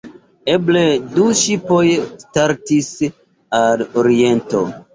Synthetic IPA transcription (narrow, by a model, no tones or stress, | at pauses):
e̞ble̞duʃipo̞jstaɾtis | aloɾie̞nto̞̰